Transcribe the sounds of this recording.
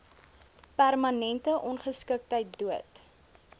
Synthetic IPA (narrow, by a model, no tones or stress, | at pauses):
pærmɐnɛntəʔɔnχəskək̚təjt̚duət